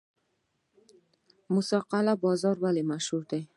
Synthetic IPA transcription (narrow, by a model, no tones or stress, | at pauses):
mʊsɒqɑlabɒzɒɾvalɪmaʃhʊɾd̪ɪ